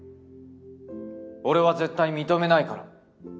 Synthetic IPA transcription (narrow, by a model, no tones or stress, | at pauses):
o̞ɾe̞βaze̞t̪ːaimʲit̪o̞me̞naikaɾa̰